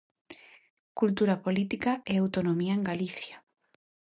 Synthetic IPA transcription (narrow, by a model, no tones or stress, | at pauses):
kult̪uɾapolit̪ikaeawt̪onomiaeŋɡaliθja